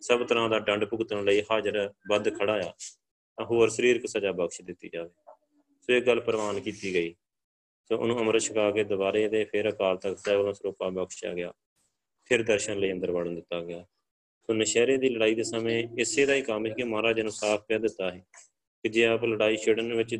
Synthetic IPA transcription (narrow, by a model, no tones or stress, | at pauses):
səbt̪əɾãːd̪aːɖəɳɖpʊɡt̪ənləiːɦaːd͡ʒəɾbəd̪kʰəɽaːjaː | t̪ãːɦoːəɾsəɾiːɾkəsaːd͡ʒaːbəkʃd̪ɪt̪ːḭːd͡ʒaːʋeː | soːɪkɡəlːpəɾʋaːnkiːt̪iːɡəiː | soːʔʊ̰nũːəməɾəʃʰəkaːkeːd̪ʊbaːɾeːd̪eːpʰɪɾəkaːlt̪əkt̪ɛːəlõːsɾoːkaːbəkʃa̰ːɡɪja̰ː | pʰɪɾd̪əɾʃənləiːənd̪əɾʋaːɽənd̪ɪt̪ːaːɡɪjaː | soːnəʃɛːɾeːd̪iːləɽaːiːd̪eːsəmẽːɪseːd̪aːiːkəmiːkemãːɾaːd͡ʒənə̃saːpʰkɛːd̪ɪt̪ːaːɦɛː | kd͡ʒeːaːpləɽaːiːʃʰeːɽənʋɪt͡ʃ